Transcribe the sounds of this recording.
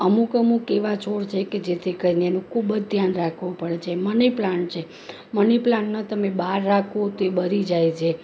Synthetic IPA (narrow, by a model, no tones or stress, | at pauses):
əmũkəmukeʋat͡ʃoɾt͡ʃʰeked͡ʒet̪ʰikəɾineenũkʰubəd͡ʒd̪ʱjanɾakʰʋũpəɽet͡ʃʰeməniplaɳʈ̚t͡ʃʰe | məniplãɳʈnat̪əmebaɾːakʰot̪oebəɾid͡ʒajt͡ʃʰe